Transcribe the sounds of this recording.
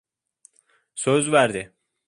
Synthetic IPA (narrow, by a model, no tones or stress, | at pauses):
søzvæɾd̪ɪ